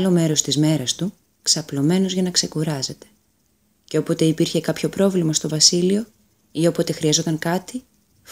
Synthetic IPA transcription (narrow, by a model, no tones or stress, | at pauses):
lo̞me̞ɾo̞st̪izme̞ɾɐst̪u | ksɐplo̞me̞no̞zʝɐnɐkse̞kuɾɐze̞t̪e̞̥ | ceopo̞t̪eipiɾçe̞kɐpço̞pɾo̞vlimɐst̪o̞vɐsilio̞ | io̞po̞t̪e̞xɾiɐzo̞t̪ɐŋkɐt̪i